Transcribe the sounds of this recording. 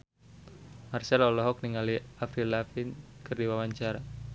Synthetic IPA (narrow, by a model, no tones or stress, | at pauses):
marsalɔlɔɦɔk̚niŋaliafɾilafinkɨrdiwawaɲt͡ʃaɾa